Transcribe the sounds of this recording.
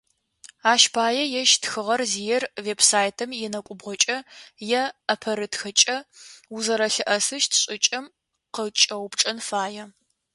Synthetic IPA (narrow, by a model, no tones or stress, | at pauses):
aːʃbʰaːjɛjɛʃtxɨʁɐrzijɛrveːbsaːjtʰɐmjɛnɐkʷʼʊbʁʷɔt͡ʃʼɐjɛɐpʰɐɾɨtxɨt͡ʃʼɐʊzɐɾɐɬɨʔɐsɨʃtʰɕʼɪt͡ʃʼɐm | qət͡ʃʼɐwpʈ͡ʂʼɐnfaːjɛ